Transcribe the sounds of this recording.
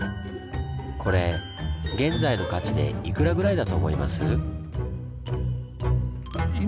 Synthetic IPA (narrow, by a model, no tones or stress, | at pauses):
kʰo̞ɾe̞ | ɡẽ̞nzaino̞kat͡ɕid̪e̞̰ikɯ̟ɾaɡɯ̟ɾaid̪at̪o̞ːmo̞ima̰sɨ